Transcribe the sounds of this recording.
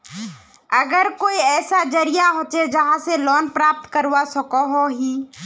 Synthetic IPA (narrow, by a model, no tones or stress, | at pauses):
əɡəɾkoːiɛːsad͡ʒəɾijaɦoːt͡ʃed͡ʒəɦãselɔːnpɾaːp̚t̪kəɾwasəkoɦoɦiː